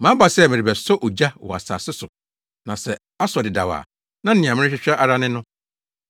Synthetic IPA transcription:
mã˦ba˨sɛ˦˨mɪ̃˨ɾɪ˨bɛ˨sɔ˦ʔo˨d͡ʑa˦wɔ̰˨a̰˨sa̰ː˨sɪ˦sʊ˨ | nã˨sɛ˨ | a˦sɔ˨dɪ˨da˨wa̰ː˨ | nã˦n̩˦nɪ̃˨a˨mɪ̃˦ɪ̃˦ɕᶣɪ˦ɕᶣa˦ʔa˦ɾa˦nɪ̃˦nʊ̃˦

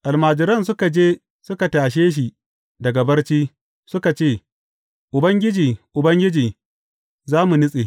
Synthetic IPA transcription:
ʔa˨lmaː˨d͡ʒɪ˨ɾɐ˦ns̬ʊ˦ka˨d͡ʒeː˦ | sʊ˦ka˨taː˨ʃ̬eː˦ʃ̬i˨ | dɐ˨ɡɐ˨bɐ˦rt͡ʃiː˦ | sʊ˦ka˨t͡ʃeː˦˨ | ʔʊ˨bɐ˦ŋɡʲɪ˦d͡ʒiː˨ʔʊ˨bɐ˦ŋɡʲɪ˦d͡ʒiː˨ | zaː˦mu˨nʊ˦sʼḛ˨

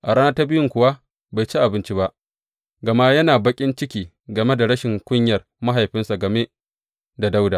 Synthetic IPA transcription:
ʔa˨ɽaː˦na˦ta˦bɪ˦jʊ˦ŋkʷʊ˨wa˦ | ba˨jt͡ʃi˦ʔa˨bɪ˦nt͡ʃi˦ba˦ʔ | ɡɐ˨ma˦jɐ˦naː˨bɐ˦kʲʼɪ˦nt͡ʃɪ˦kʲiː˨ | ɡɐ˨me˦da˨ɽɐ˦ʃɪ˨ŋkʷʼʊ˦ɲjɐ˨r | ma˦ɦa˨jɸɪ˦nsa˨ɡɐ˨me˦ | da˨da˦wdaː˨

